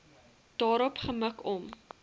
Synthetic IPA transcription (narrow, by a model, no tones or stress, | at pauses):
d̥ɑːɾɔpχəməkɔm